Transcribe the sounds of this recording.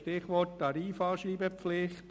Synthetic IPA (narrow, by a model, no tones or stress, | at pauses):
ʃtɪχʋɔttɑɾiːfɑːʃɾiːbəpflɪχt